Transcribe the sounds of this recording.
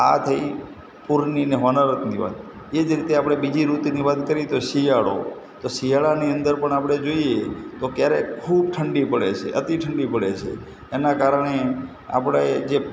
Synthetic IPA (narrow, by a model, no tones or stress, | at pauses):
a̰t̪ʰəi | puɾnineɦɔnaɾət̪niʋa̰t̪̚ | ed͡ʒɾit̪eapɽ̃ebid͡ʒiɾut̪niʋat̪kəɾit̪oʃijaɭo̰ | t̪oʃijaɭaniənd̪əɾpəɳapɽ̃ed͡ʒoiet̪okjaɾekʰub̚ʈʰəɳɖipəɽḛt͡ʃʰḛʔət̪iʈʰəɳɖipəɽet͡ʃʰḛː | nakaɾəɳ̃e | a̰pɽ̃ed͡ʒe